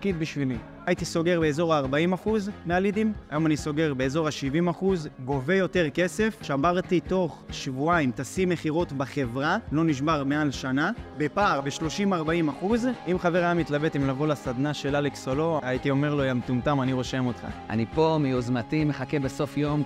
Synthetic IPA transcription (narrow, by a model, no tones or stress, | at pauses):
kid̪biʃvili | ait̪iso̞ɡe̞ʁbe̞eːzo̞ʁaːʁbaimaχuzmealid̪imajo̞maniso̞ɡe̞ʁbe̞eːzo̞ʁaʃivimaχuzɡo̞ve̞jo̞te̞ʁke̞se̞fʃamaʁt̪ito̞χʃvuaimt̪asimeχiʁo̞t̪baχe̞vʁalo̞niʃ̬baʁmealʃanabe̞paːʁbeʃlo̞ʃimaʁbaimaχuzimχaveʁaamit̪labet̪imlavolasad̪naʃe̞laleksolo̞ait̪io̞me̞ʁlojamt̪umt̪amaniʁo̞ʃemo̞t̪χa̰a̰nipo̞miozmat̪ime̞χakebeso̞fjo̞m